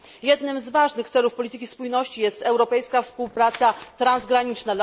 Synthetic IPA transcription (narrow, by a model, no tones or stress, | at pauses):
jɛd̪nɘmzvaʐnɘxt̪sɛlufpɔlʲit̪ɘkʲispujnɔɕt͡ɕijɛst̪ɛwɾɔpɛjskafspuwpɾat̪sat̪ɾanzɡɾaɲit͡ʂna